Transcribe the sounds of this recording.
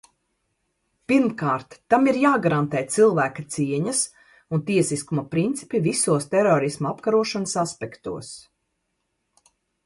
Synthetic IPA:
piɾmkaːɾt̪ːamiɾjaːɡaɾant̪ɛːt̪silˠvæːkat̪siɛɲɐs | unt̪iɛsiskumapɾint̪si̥pivisuɔst̪ɛɾɔɾismaapkaɾuɔʃanəsaspɛkt̪ṵɔs

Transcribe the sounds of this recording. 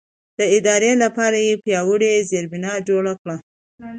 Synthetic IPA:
d̪̥əɪd̪ɑɾelapɑɾajepjɑwəɽezeɾbɪnɑd͡ʒoɽakɽa

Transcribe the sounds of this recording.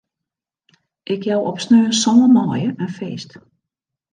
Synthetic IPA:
ʔɪkjawʔɔpsnøːnsɔːəmɔːjəʔɛnfeːst

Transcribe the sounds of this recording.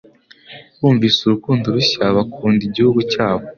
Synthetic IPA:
wuːɱviːsuɾukuːndoɾuɕaβakʰuːndiɟihuɡucaːβo

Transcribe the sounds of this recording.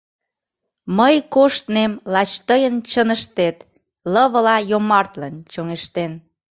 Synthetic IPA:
məjkoʃt̪nemlɑt͡ɕt̪əjənt͡ɕənəʃt̪et̪ | ləβəlɑjomɑrt̪lənt͡ɕoŋeʃt̪en

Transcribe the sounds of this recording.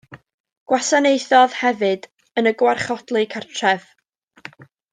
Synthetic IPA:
ɡ̥wasanejθɔðhɛvɨd | ənəɡwarχɔd̥lˠɨkʰartʰrɛv̥

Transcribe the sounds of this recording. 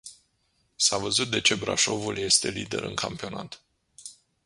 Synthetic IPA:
savəzut̪̚d̪e̞t͡ʃe̞bɾa̰ʃo̞vulje̞st̪e̞lid̪e̞̰ɾɨ̰ŋkʰampio̞nat̪

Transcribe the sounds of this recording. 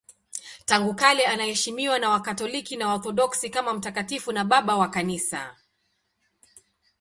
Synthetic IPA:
taŋɡukalɛanahɛʃimiwanawakatɔlikinawaɔɾθɔɗɔksikamam̩takatifunaɓaɓawakanisa̰

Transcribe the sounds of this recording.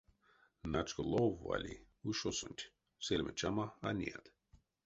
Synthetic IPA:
nat͡ʃɡəlˠovːa̰lʲi | uʃosonʲt̪ʲ | selʲmət͡ʃamaanʲḭad̪̥

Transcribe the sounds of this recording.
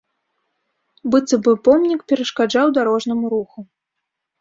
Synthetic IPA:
bɨt̪sɨbɨpɔmnʲikpʲɛɾɐʂkad͡ʐawd̪aɾɔʐnɐmuɾuxu

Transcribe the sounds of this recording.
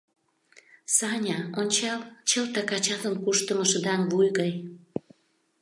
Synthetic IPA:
sɑnʲɑonʲt͡ɕɑlt͡ɕəlt̪ɑkɑt͡ɕɑt̪ənkuʃt̪əmə̆ʃə̆d̪ɑnβujɣɑj

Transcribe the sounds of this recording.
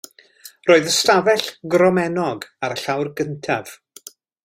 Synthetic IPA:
roːɨðəstavɛɬɡrɔmɛnɔɡaɾəɬawrɡəntʰav̥

